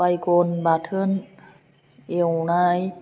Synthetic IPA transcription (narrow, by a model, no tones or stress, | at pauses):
ajkonbaːt̪ʰɯn | ewnaj